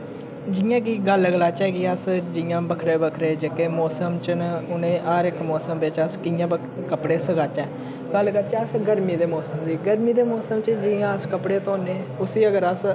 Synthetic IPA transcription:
d͡ʒɪjãːkiːɡəlɡəlaːt͡ʃɛːkiəsd͡ʒɪjãːbəkʰɾeːbəkʰɾeːd͡ʒekeːmɔːsəmt͡ʃənʊnẽːʔəːɾɪkmɔːsəmbɪt͡ʃəskɪjãːbə | kəpɽeːsəɡaːt͡ʃɛː | ɡəlɡəlt͡ʃɛːəsɡəɾmiːd̪eːmɔːsəmd̪iːɡəɾmiːd̪eːmɔːsəmt͡ʃd͡ʒijãːəskəpɽeːt̪oːneː | ʊsiːəɡəɾəs

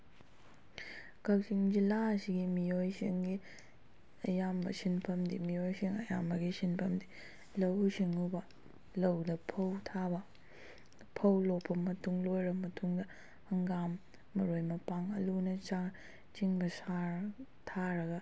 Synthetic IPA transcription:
kɐwsiŋd͡ʒilasiɡimijojsḭŋɡi | ɐjambɐ̰sinpʰɐmdḭmijojsiŋɐ̰jamɐɡisinpʰɐmdi | lɐwsiŋubɐ | lɐwdɐpʰɐwtʰabɐ | pʰɐwlopʰːɐmɐtuŋlojɾɐmɐtʰuŋdɐː | ŋɡamː | ɐɾojmɐpaŋɐ̰lunɐt͡ʃa | t͡ʃiŋbɐsa | tʰaɾɐɡɐ

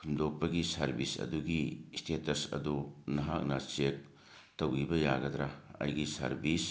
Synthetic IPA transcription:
kʰumdok̚pɐɡisɐɾbisɐ̰duɡistʰetɐsɐ̰dunɐɦak̚nɐt͡ʃek̚ | towibɐjaɡɐd̪ɾaɐ̰jɡisɐ̰ɾbis

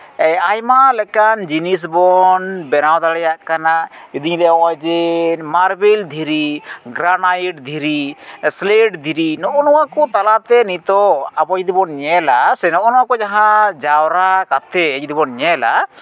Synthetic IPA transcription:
ɛajmalɛkand͡ʒinis̬bɔnbɛnawd̪aɽɛjaʔkanaud̪iɲlɛɔwɔd͡ʒɛmaɾbild̪ʱiɾiɡɾanajiʈd̪ʱiɾisleɖd̪ʱiɾinɔʔɔnɔwakɔt̪alat̪ɛnit̪ɔabɔd͡ʒd̪ibɔnɲɛlasɛnɔʔɔnɔwakɔd͡ʒaɦãd͡ʒawɾakat̪ʰɛːd͡ʒd̪ibɔnɲɛla̰

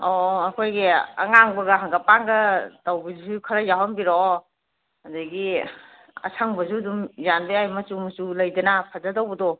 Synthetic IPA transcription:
ɔɐkʰojɡia̰ŋaŋbɐɡaɦaŋɡapaŋɡɐtawbizzukʰɐɾajaɦɔnbiɾo | ɐdɐɡi | ɐ̰sʰaŋbɐzudumjanbeajmɐt͡ʃumɐt͡ʃulɐjdɐnapʰazadawbɐdɔ

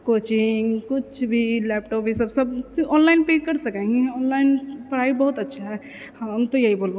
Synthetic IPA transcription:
kot͡ʃiŋɡkut͡ʃʰbʱilɛpʈɔpbisəbsəb̚t̪uʔɔnlaɪnpekəɾsəkɛ̃ŋɡiɔnlaɪnpəɽaibəɦut̪ətːʃʰaɦɛ | həəmt̪ojəɦibolba

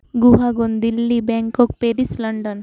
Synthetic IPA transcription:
ɡuɦaɡond̪ilːibɛŋkok̚peɾisləɳɖən

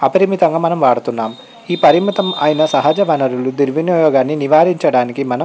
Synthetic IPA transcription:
ɐpɐɾimit̪ɐŋɡaːmɐnɐmʋaːɽut̪unːaːm | iːpɐɾimit̪ɐmɐːjinɐsɐɦɐd͡ʒɐʋɐnɐɾulud̪iɾʋinjɔːjɔːɡaːnːiniʋaːɾiɲt͡ʃɐɽaːnikimɐnɐ

